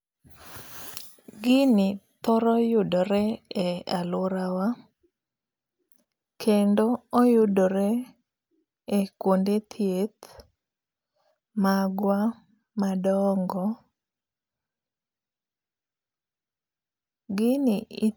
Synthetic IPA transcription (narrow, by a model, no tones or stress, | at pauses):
ɡɪnɪt̪ɔɾɔjʊdɔɾɛɛalʊɾawa | kʰendoːjʊdoɾɛ | ekwondet̪ʰjet̪ | maɡwa | madɔŋɡɔ | ɡɪnɪi